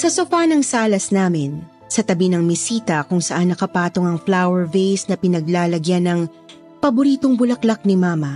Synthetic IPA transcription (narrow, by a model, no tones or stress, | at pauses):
sɐsofanɐŋsaːlɐsnaːmɪn | sɐt̪ɐbinɐŋmɪsiːt̪ɐkʊŋsɐʔanːɐkɐpaːt̪oŋɐŋflawɛɹvejsnɐpɪnɐɡ̚laːlɐɡjanɐŋ | pɐbʊɾiːt̪oŋbʊlɐklɐk̚nɪmaːmɐ